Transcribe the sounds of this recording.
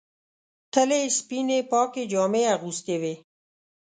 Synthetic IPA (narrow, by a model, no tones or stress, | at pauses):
t̪ʰəlespinepɑːked͡ʒɔːmeaɣust̪ewe